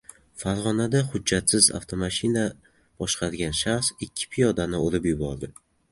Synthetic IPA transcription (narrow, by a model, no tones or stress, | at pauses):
faɾʁɒnad̪aχʊːat̪sɪza̰ft̪ʰomaʃɪna | b̥ɒʃqʰɑɾɡʲanʃaχsɪkʲʰːɪ̥pʰijɒd̪anɪoɾɪpjʊbɒɾd̪ɪ